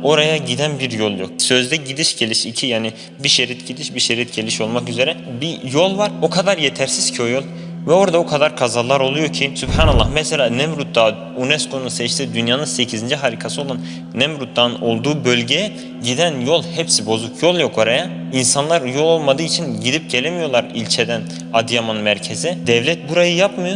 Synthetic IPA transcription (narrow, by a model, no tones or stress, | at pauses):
o̞ɾajaɟid̪ænbiɾjo̞lˠjo̞k̚sø̞zd̪ɛɟid̪iʃɟe̞lʲiʃicʰijaːni | biʃeɾit̪ɟid̪iʃbiʃeɾit̪ɟe̞lʲiʃo̞lˠmakyze̞ɾɛbijo̞lˠvaɾokʰad̪aɾjet̪ʰæɾsiz̥cʰio̞jo̞lˠ | vɛo̞ɾad̪aokʰad̪aɾkʰazalˠːaɾo̞lˠujo̞ɾcʰisybhaːnalˠːahmɛselʲaːnɛmɾut̪̚d̪a | unɛskʰo̞nunsɛt͡ʃt̪ʰid̪ynjaːnɯnse̞cʰizind͡ʒiɦaɾiːkʰasɯo̞lˠanː | ɛmɾut̪̚d̪ano̞lˠd̪uːbølʲɟejɛ | ɟid̪ænjo̞lˠhɛpsibo̞zukʰjo̞lˠjo̞kʰoɾaja | insanlˠaɾjo̞lˠolˠmad̪ɯːit͡ʃʰinɟid̪ip̚ɟe̞lʲemijo̞lˠaɾilʲt͡ʃʰed̪æn | ad̪ijamɯnmæɾcʰe̞zid̪ɛvlʲɛt̪̚buɾajɯjapmɯjo